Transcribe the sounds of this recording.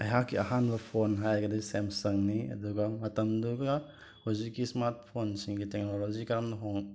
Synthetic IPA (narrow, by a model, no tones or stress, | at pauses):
ɐɦakːiɐɦanbɐpʰonɦajkɐdasemsɐŋniɐ̰duɡɐmɐtɐmduɡa | hozikːismaɾt̚pʰonsiŋɡitek̚nolozikɐɾamnɐɦoŋ